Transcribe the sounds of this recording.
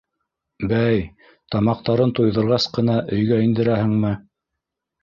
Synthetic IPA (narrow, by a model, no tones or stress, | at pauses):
bæj | t̪ɑmɑq̚t̪ɑɾɤnt̪ujðɤ̆ɾʁɑsqɤ̆n̪ɑʔɵ̆jɡæind̪ɘ̆ɾæhɘŋmɘ